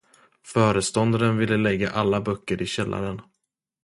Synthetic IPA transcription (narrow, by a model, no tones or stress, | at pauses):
fœːɾəst̪ɔnd̪aɾənvɪlːəlɛɡːa̰ʔalːabœkːəɾʔɪɕɛlːʔa̰ɾən